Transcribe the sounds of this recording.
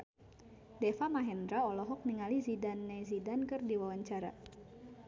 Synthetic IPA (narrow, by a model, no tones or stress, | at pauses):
dɛfamaɦɛnd̪ɾaɔlɔɦɔk̚niŋalizidanːɛzidankɨrdiwawaɲt͡ʃaɾa̰